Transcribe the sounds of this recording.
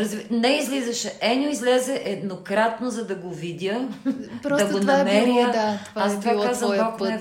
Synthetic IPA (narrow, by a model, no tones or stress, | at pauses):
ɾɐzvnɛizlizɐʃɛʔɛnʲoizlɛzɛʔɛd̪nokɾat̪nozɐd̪ɐɡovid̪ʲəpd̪ɐɡonɐmɛɾiəast̪vakːazvɐɔknɛ